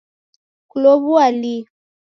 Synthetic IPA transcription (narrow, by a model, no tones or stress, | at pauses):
kulɔβuali